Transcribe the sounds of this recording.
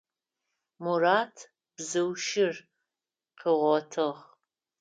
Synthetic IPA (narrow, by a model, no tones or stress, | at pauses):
muraːtʰ | b̥zɨwʃɪr | qəʁʷɔtʰɨʁ